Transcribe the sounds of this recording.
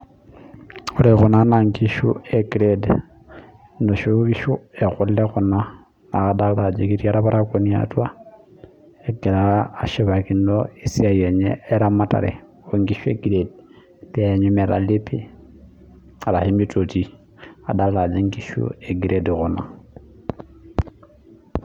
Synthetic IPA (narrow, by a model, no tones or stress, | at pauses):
uɾeɣunanaŋɡiʃṵeɡiɾed | ndoʃuβiʃuexulleɣuna | naadalad͡ʒekitjaɾaβaɾakonia̰twa | eɡelaːʃiβakindoisiajeɲeːɾamata̰ɾḛ | oŋɡiʃeɡiɾed | teaɲumeɾa̰lipi | aɾahimitʰoti | a̰dallad͡ʒeŋɡiʃṵeɡiɾedɣuna̰